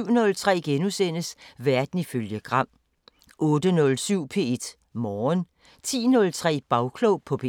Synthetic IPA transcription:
ʊ̰nɔ̽lt͡sʰʁɛ̰ːɡ̥enusen̰əsʋæɐd̥n̩iføljəɡ̥ʁɑ̈m̰ | ʔɔ̽ːd̥ənɔ̽lsyʊ̰pʰe̝̰ed̥ | mɒːn | t͡sʰḭːnɔ̽lt͡sʰʁɛ̰ːb̥ɑ̈ʊkʰlɔʊpʰɒ̽pʰe

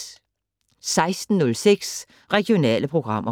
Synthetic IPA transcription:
sɑ̈ɪsd̥n̩nɔ̽lseɡ̥s | ʁɛɡ̥jo̝nɛ̰ːləpʰʁo̝ɡ̥ʁɑ̈m̰ʔɐ

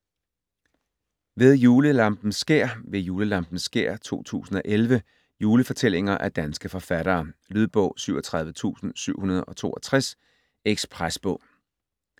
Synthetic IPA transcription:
ʋe̝ð̞ˠjuːləlɑ̈mb̥n̩sɡ̥e̝ɐ̰ʋe̝juːləlɑ̈mb̥n̩sɡ̥e̝ɐ̰t͡sʰo̝̰ːt͡sʰṵːsn̩ɒ̽ʔelʋə | juːləfɒ̽t͡sʰel̰e̝ŋɐʔæd̥ænsɡ̥əfɒ̽fæɾ̥ɐːlyðˠb̥ɔ̽ʊ̰syʊɐt͡sʰʁɑ̈ð̞ˠʋət͡sʰṵːsn̩syʊ̰hunɐð̞ˠɒ̽t͡sʰo̝̰ːɐt͡sʰʁas | eɡ̥spʰʁasb̥ɔ̰̽ʊ̰

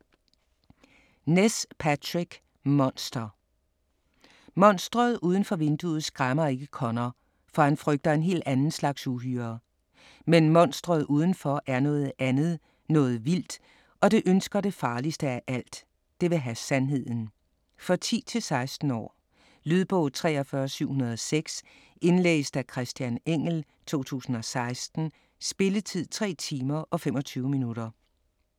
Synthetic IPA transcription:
nespʰæt͡sʰʁiɡ̥ | mɒ̽nsd̥ɐ | mɒ̽n̰sd̥ʁɐð̞̩ˠʔuːð̞ˠən̩fɒ̽ʋe̝nd̥uð̩ˠsɡ̥ʁamɐe̝ɡ̥əkʰɒ̽nɐ | fɒhænfʁœɡ̥̚d̥ɐe̝nɦe̝̰ːld̥ænn̩slɑ̈ɡ̥suɦyːɐ | menmɒ̽n̰sd̥ʁɐðˠʔuːð̞ˠən̩fɒ̽ʔæɐnɔ̽ːð̩ˠænð̞̩ˠ | nɔ̽ːð̞̩ˠʋil̰d̥ | ɒ̽ɾe̝ʔønsɡ̥ɐɾ̥e̝fɑ̈ːlisd̥əæʔæl̰d̥ː | e̝ʋe̝ɦæsænɦe̝ð̞̰ˠn̩ | fʁɑt͡sʰḭːt͡sʰe̝lsɑ̈ɪsd̥n̩ɒ̰ː | lyð̞ˠb̥ɔʊðˠt͡sʰʁɛ̰ːɒfɶɐsyʊ̰hunɐð̞̩ˠɒseɡ̥s | e̝nlḛːsd̥ækʰʁɛsd̥jæneŋ̰l̩ | t͡sʰo̝̰ːt͡sʰṵːsn̩ɒ̽sɑ̈ɪsd̥n̩ | sb̥e̝lət͡sʰið̞̰ˠt͡sʰʁɛ̰ːt͡sʰiːmɐʔɒ̽fem̰ɒ̽t͡sʰyːʊminuɾ̥ɐ

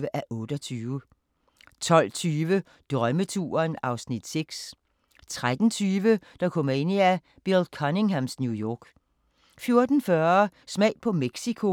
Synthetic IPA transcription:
əʔæʔɔ̽ːd̥ɒt͡sʰyːʋə | t͡sʰɒ̽l̰t͡sʰyːʋə | d̥ʁœmət͡sʰṵːɐnɑ̈ʊsnid̥seɡ̥s | t͡sʰʁad̥n̩t͡sʰyːʋəd̥ɑ̈kʰɔ̽m̰ɐe̝n̰iæ | b̥iɐld̥kʰɒne̝ŋɦæmsnjujɒːɡ̥ | fjo̝ɐd̥n̩fɶɐsmɛ̰ɪ̰pʰɒ̽meɡ̥sikʰo̝

